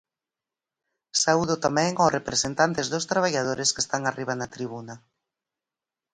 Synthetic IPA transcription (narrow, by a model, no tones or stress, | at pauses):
sauðʊt̪amɛ̃ŋorepɾesent̪ant̪ezðost̪ɾaβ̞aʎað̞oɾeskest̪aŋariβ̞anat̪ɾiβ̞unɐ